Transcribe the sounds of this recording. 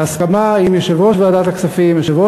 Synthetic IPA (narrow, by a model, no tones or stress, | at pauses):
askamaimjeʃevoʃvead̪at̪aksafimjeʃevo